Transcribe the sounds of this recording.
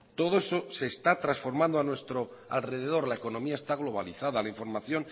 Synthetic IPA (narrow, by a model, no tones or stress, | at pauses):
t̪o̞ð̞oesose̞st̪at̪ɾasfo̞ɾmãnd̪oanwe̞st̪ɾoa̰lre̞ð̞e̞ð̞o̞ɾlaeko̞nomiaest̪aɣlo̞βaliθaðalaiɱfo̞ɾmaθjo̞n